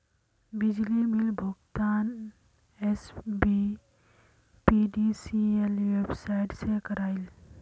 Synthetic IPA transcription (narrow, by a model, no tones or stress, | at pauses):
bɪd͡ʒlimɪlbʱʊɡt̪aːn | esbi | piɖisielʋebsaɪʈsekəɾaːɪl